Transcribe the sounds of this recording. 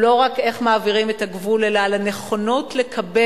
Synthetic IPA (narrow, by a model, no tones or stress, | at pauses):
lo̞ʁake̞χmaːviʁime̞taɡvule̞lalane̞χo̞notle̞kʰabe